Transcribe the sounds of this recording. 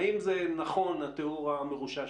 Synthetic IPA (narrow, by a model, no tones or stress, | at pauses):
imzenaχo̞nat̪euʁameʁuʃa